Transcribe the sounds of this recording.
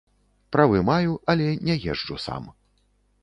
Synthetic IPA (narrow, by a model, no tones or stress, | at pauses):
pɾavɨmajuʔɐlʲɛnʲɛjɛʐd͡ʐusa̰m